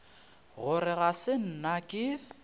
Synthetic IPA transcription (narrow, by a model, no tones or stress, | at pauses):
ɣʊɾɪɣasɪn̩nakʼɪ